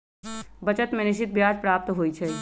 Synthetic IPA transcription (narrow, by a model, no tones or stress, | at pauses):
bɐt͡ʃət̪mẽnɪʃɪt̪̚bjaːd͡ʒpɾaːp̚t̪ɦoːit͡ʃʰɛ